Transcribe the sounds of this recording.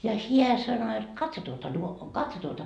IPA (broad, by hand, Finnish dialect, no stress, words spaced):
jɑ hiæ sɑno et kɑtso tuotɑ nuo kɑtso tuotɑ